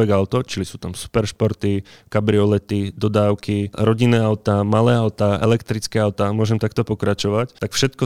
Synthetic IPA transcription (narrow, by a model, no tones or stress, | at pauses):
ɛɡaʊt̪ɔt͡ʃilisuːt̪amsu̥pɛɾʃpɔɾt̪ikabɾiɔlɛt̪id̪ɔd̪aːʊkiɾɔɟinːɛːaʊt̪aːmalɛːaʊt̪aːʔɛ̰lɛkt̪ɾit͡skɛːaʊt̪aːmʊɔʒɛmt̪akt̪ɔpɔkɾat͡ʃɔʋact̪akfʃɛt̪kɔ